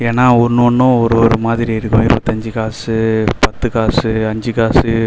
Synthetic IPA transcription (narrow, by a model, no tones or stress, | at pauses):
eːnːaːɔnːʊɔnːʊ̃ɔɾɯɔɾɯmaːðɪɾiɪɾɯkːʊ̃ɪɾɯpɐt̪ːɐɲd͡ʒɯkaːsɯpɐt̪ːɯkaːsɯɐɲd͡ʒɯkaːsɯ